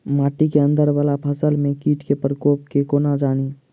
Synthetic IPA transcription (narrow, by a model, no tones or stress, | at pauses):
maːʈikeə̃nd̪əɾʋaːlapʰəsəlmẽkiːʈʰkepɾəkoːp̚kekoːnad͡ʒaːñi